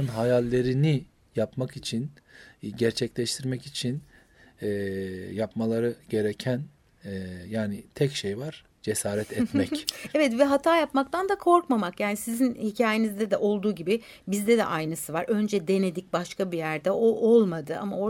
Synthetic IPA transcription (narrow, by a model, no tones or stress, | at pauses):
ɯnɦajalʲːe̞ɾini | japmakit͡ʃʰin | ɟæɾt͡ʃʰɛclʲɛʃt̪ʰiɾmɛcit͡ʃʰin | ɛjapmalˠaɾɯɟe̞ɾecʰæn | jaːnit̪ʰɛcʃejvaɾ̥ | d͡ʒe̞saːɾɛt̪ʰɛmɛcɛvɛt̪vɛɦat̪ʰaːjapmak̚t̪ʰand̪akʰo̞ɾkmamakjaːnisizinhicʰaːjenizd̪ɛd̪ɛʔo̞lˠd̪uːɟibɪ | bizd̪ɛd̪ɛ̰ʔajnɯsɯvaɾø̞nd͡ʒɛd̪e̞ne̞d̪ic̚baʃkabijæɾd̪ɛoʔo̞lˠmad̪ɯʔa̰mao